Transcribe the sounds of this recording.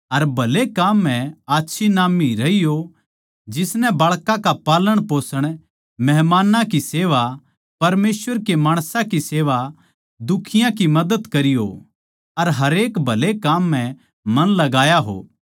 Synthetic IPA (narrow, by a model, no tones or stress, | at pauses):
ɐɾbʱɐlekːaːmːɛ̃aːtːʃʰinaːmiɾɐijo | d͡ʒɪsnɛ̃baːɭkãkapaːləɽ̃poːsəɽ̃ | mɛɦmaːnãkiseːʋa | pɐɾmeːsʋəɾkemaːɽ̃sãkiseːʋa | d̪ʊkʰɪjãkimɐd̪əd̪kɐɾijo̰ | ɐɾɦɐɾeːkbʱɐlekaːmːɛ̃ | mɐnlɐɡaːjaɦo̰ː